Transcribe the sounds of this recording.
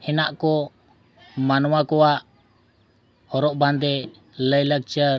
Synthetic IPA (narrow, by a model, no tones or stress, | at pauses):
hɛnaʔkɔ | manɔwakɔwaʔ | hɔɾɔʔbʱand̪ɛ | ləjlək̚t͡ʃəɾ